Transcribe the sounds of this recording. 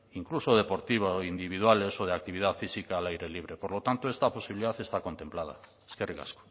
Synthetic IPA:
iŋkluso̞ð̞e̞po̞ɾt̪iβoind̪iβiðwale̞so̞ð̞eak̚t̪iβiðaðfisikaːlajɾe̞liβ̞ɾepoɾlo̞t̪ant̪oe̞st̪apo̞siβiliðaθe̞st̪ako̞nt̪e̞mplað̞a̰ | eskeriɣa̰sko̥

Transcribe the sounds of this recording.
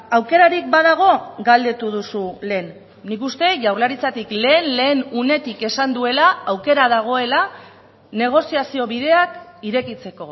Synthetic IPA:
awke̞ɾaɾik̚baðaɣ̞o̞ɡald̪e̞t̪uð̞usule̞ːnː | ikust̪e̞ʝawrlaɾit͡sat̪ikle̞ːnle̞ːnune̞t̪ike̞sand̪ue̞laawke̞ɾaðaɣ̞o̞e̞la | ne̞ɣ̞o̞siasio̞βiðe̞akiɾe̞kit͡se̞ko̞

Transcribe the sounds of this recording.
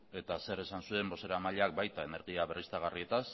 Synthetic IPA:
e̞t̪ase̞ɾe̞sansue̞mbo̞se̞ɾamaʎeak̚bajt̪ae̞ne̞ɾɣiaβe̞rist̪aɣ̞arie̞t̪as

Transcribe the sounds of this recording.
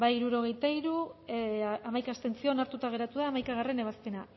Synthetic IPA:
baiɾuɾo̞ɣ̞e̞jt̪aiɾu | amajkast̪e̞nt͡sio̞naɾt̪ut̪aɣ̞e̞ɾat̪uðaːmajkaɣ̞are̞ne̞β̞aspe̞na

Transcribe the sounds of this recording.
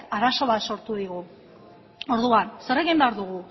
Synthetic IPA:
aɾaso̞βat̪so̞ɾt̪uðiɣu | o̞ɾðuanse̞ɾe̞ɣimbeaɾðuɣ̞u

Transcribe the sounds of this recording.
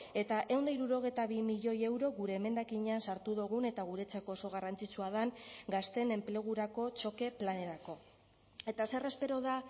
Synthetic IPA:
e̞t̪aʔe̞wnd̪aiɾuɾo̞ɣ̞ejt̪aβimiʎo̞je̞wɾo̞ɣuɾe̞ːme̞nd̪akiɲeansaɾt̪uðuɣ̞une̞t̪aɣ̞uɾe̞t͡sako̞ːso̞ɣ̞arant͡sit͡suað̞aŋɡast̪e̞ne̞mple̞ɣ̞uɾako̞t͡ʃo̞ke̞plane̞ɾako̞ | e̞t̪ase̞re̞spe̞ɾo̞ð̞a

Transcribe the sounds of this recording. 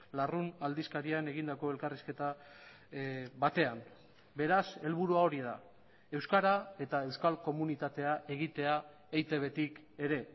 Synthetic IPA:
larunald̪iskaɾiane̞ɣind̪ako̞e̞lkariske̞t̪a | βat̪e̞am | be̞ɾase̞lβuɾuao̞ɾiða̰ | e̞wskaɾae̞t̪ae̞wskalko̞munit̪at̪e̞ae̞ɣit̪e̞a | ejt̪e̞βe̞t̪ik | e̞ɾe̞

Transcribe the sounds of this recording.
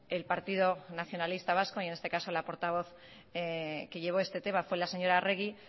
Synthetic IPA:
e̞lpaɾt̪ið̞o̞naθjo̞nalist̪aβ̞asko̞ie̞ne̞st̪e̞kaso̞lapo̞ɾt̪aβ̞o̞θ | ke̞ʝe̞β̞o̞e̞st̪e̞t̪e̞mafwe̞lase̞ɲo̞ɾare̞ɣ̞i

